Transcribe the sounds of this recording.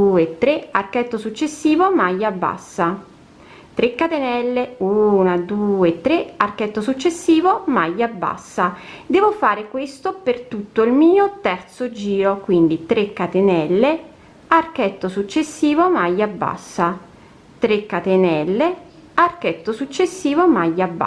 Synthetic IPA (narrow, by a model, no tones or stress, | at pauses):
uet̪ːɾearkɛt̪ːosut͡ʃːesːiːvomajːabːa̰sːa | t̪ɾekːat̪enɛlːeuːnad̪uːet̪ːɾearkɛt̪ːosut͡ʃːesːiːvomajːabːa̰sːad̪ɛːvofaːɾekwest̪opert̪ut̪ːoilmiːot̪ɛrt̪sod͡ʒiːɾokwind̪it̪ɾekːat̪enɛlːe | arkɛt̪ːosut͡ʃːesːiːvomajːabːa̰sːa | t̪ɾekːat̪enɛlːe | arkɛt̪ːosut͡ʃːesːiːvomajːabːa